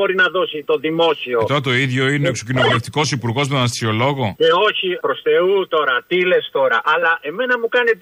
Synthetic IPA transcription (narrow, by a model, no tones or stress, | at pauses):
o̞ɾinɐðo̞sit̪o̞ðimo̞sio̞et̪ɾɐt̪o̞iðʝo̞ineoksocino̞vuleft̪iko̞sipuɾɣo̞zmet̪onɐst̪sio̞lo̞ɣo̞ce̞oçipɾo̞st̪e̞ut̪o̞ɾɐt̪ile̞st̪o̞ɾɐʔɐlɐʔe̞me̞nɐmukɐnet̪